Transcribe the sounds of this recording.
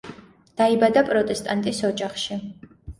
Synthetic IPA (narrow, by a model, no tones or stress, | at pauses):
d̪̥aibad̪apʼɾɔt̪ʼɛst̪ʼant̪ʼisɔd͡ʒaχʃi